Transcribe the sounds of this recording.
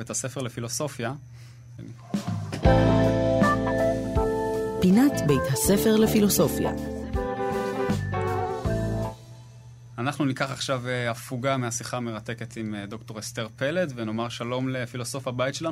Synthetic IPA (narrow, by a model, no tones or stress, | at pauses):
ejthase̞feʁlefilo̞so̞fja | pinat̪bejt̪hasefeʁlefiloso̞fja̰ | anaχnunikaχaχʃaveafuɡameasiχame̞ʁat̪e̞ke̞t̪imd̪o̞kto̞ʁest̪eʁpeledveno̞maʁʃalo̞mle̞filo̞so̞fabajtʃela